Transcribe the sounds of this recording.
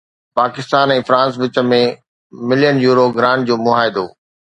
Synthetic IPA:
paːkɪst̪aːnɛ̃ːfɾãːns̬ʋɪt͡ɕə̆mẽ | mɪlijənjuːɾoɡɾãːɳʈ̚d͡ʑoːmʊɦaːɦɪd̪oː

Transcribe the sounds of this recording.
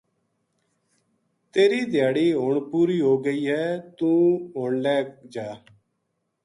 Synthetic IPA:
t̪eːɾiːd̪ʱɪjaːɽiːɦoːɳpuːɾiːɦoːɡəiːɦɛːt̪ũːɦoːɳlɛːkd͡ʒaː

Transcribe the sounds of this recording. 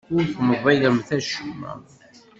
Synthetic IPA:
ʊɾθməðˤɑjðəmθæʃmæ̰

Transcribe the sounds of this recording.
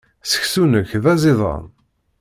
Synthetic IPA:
sə̥çsunəçðæzɪðˤə̰n

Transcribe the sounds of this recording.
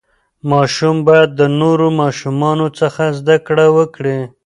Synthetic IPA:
mɑʃumbɑjad̪ːənoɾomɑʃumɑnot͡səxazd̪akɽawəkɽi

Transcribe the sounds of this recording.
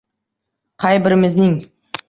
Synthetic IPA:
qʰɑjbɪɾmɪznɪŋ

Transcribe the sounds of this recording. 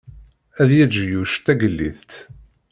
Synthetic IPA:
æðjæd͡ʒjuʃt̪æɡəlːiθt̪

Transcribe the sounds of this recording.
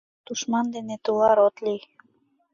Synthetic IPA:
d̪̥uʃmɑnd̪enet̪ulɑɾot̪li

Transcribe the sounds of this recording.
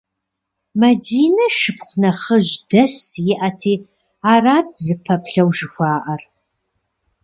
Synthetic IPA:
mɐdiːnɐʃɨpχʷnɐχəʑdɐsjɪʔɐtʰiː | aːraːdzɨpʰɐpɬɐwʒɪxʷɑːʔɐr

